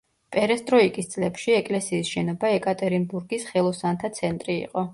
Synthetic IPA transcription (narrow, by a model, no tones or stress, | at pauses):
pʼɛɾɛst̪ʼɾɔikʼist̪sʼlɛpʃiɛkʼlɛsiːsʃɛnɔbaɛkʼat̪ʼɛɾimbuɾɡisχɛlˠɔsant̪ʰat̪sʰɛnt̪ʼɾiḭqʼɔ